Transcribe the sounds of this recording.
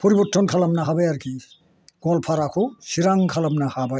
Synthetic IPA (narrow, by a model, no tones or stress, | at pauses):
pɔɾibɔtʰːɔnkʰalamnaɦabajaɾkʰi | ɡ̥ɔlpʰaɾakʰɔsiɾaŋkʰalamnahabaj